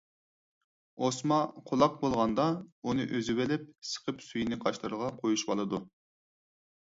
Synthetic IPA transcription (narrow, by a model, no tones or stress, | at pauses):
osmɑqʰolˠɑq̚bolˠʁɑnd̪ɑunɨʔøzɪbɪlɪp̚sə̥qʰəpsyjinɪqʰɑʃlˠɨɾəʁɑqʰojuʃbɑlˠɨd̪u